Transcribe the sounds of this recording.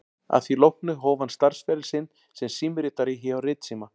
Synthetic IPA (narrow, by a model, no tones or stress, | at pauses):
a̰ðθilowhknʏɣɦɔːwvanst̪aɾ̥sfɛɾɪlsɪn | sɛmsiːmɪɾɪt̪aɾɪçɪawrɪːt̪siːma